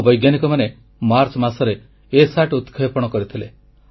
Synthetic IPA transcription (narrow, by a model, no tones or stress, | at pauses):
bɔjɡjanikɔmane | maɾt͡ʃɔmasɔɾe | esaʈut̪kʰepɔɽ̃ɔkɔɾit̪ʰile